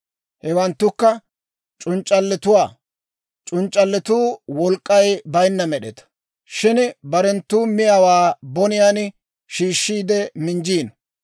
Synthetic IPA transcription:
hɛwɐnt̪ːʊkːɐ | t͡ʃʼʊnt͡ʃʼːɐlːɛt̪ʊwaː | t͡ʃʼʊnt͡ʃʼːɐlːɪt̪uːwɔlkʼːɐjbɐjnːɐmɛɗɛt̪ɐ̥ | ʃɪnbɐɾɛnt̪ːuːmɪjawaːbɔnɪjan | ʃiːʃːiːd̪ɛmɪnd͡ʒiːn

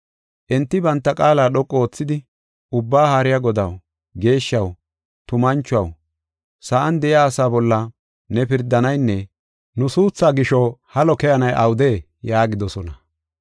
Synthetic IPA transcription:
ʔɛnt̪ːɪbɐnt̪ːɐkʼaːlaːɗɔkʼːoːt͡sːɪd̪ɪ | ʊbːaːhaːɾɪjaɡɔd̪ɐ̰w | ɡe̞ːʃːɐw | t̪ʊmɐnt͡ʃːʊɐw | sɐʔɐnd̪ɛʔɪaːsaːbɔlːɐ | nɛpɪɾd̪ɐnɐjnːɛ | nʊsuːt͡sːaːɡɪʃɔhɐlɔkɛjɐnɐjʔɐwd̪eː | jaːɡɪd̪ɔsɔnɐ

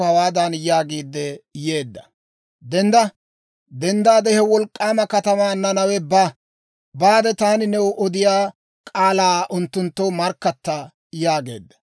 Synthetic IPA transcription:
hɐwaːd̪ɐnjaːɡiːd̪ːɛje̞ːd̪ːɐ̥ | d̪ɛnd̪ɐ | d̪ɛnd̪aːd̪ɛhɛwɔlkʼːaːmɐkɐt̪ɐmaːnɐnɐwɛbaː | baːd̪ɛt̪aːnɪnɛwʔɔd̪ɪjaː | kʼaːlaːʔʊnt̪ːʊnt̪ːɔmɐɾkːɐt̪ːɐ | jaːɡe̞̰ːd̪ːɐ̥

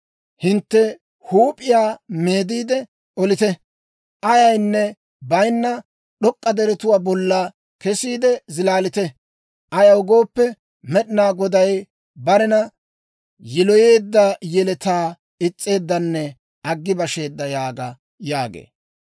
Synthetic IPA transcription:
hɪnt̪ːɛ | huːpʼɪjaːme̞ːd̪iːd̪ɛ | ɔlɪt̪ɛ | ʔɐjɐjnːɛ | bɐjnːɐ | ɗɔkʼːɐd̪ɛɾɛt̪ʊwaːbɔlːaː | kɛsiːd̪ɛzɪlaːlɪt̪ɛ | ʔɐjɐwʊɡo̞ːpːɛ | mɛɗɪnaːɡɔd̪ɐj | bɐɾɛnɐ | jɪlɔje̞ːd̪ːɐjɛlɛt̪aː | ɪt͡sʼːe̞ːd̪ːɐnːɛ | ʔɐɡːɪbɐʃe̞ːd̪ːɐjaːɡɐ | jaːɡḛː

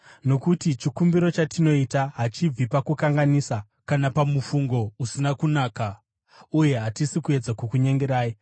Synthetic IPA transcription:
no̞kutit͡ʃikumbiɾo̞t͡ʃatino̞itaɦat͡ʃib͡vipakukaŋɡanisa | kanapamufuŋɡo̞usinakunaːka | uje̞ɦatisikue̞d͡zakukuɲe̞ŋɡeɾaːji

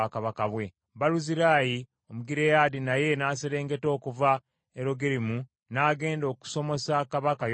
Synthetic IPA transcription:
akaβakaβwe̞ | baluziɾaːji | omuɡiɾe̞jaːdinaje̞naːseɾe̞ːŋɡe̞to̞ːkuva | eɾo̞ɡeɾimu | naːɡe̞ːndo̞ːku̥so̞mo̞sakaβakaj

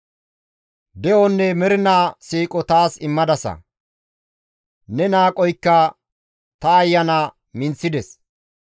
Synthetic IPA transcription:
d̪ɛʔɔnːɛmɛɾɪnaːsiːkʼɔt̪aːsɪmːɐd̪ɐsɐ̰ | nɛnaːkʼɔjkːɐ | t̪ɐːjːɐnɐ | mɪnt͡sːɪd̪ɛs

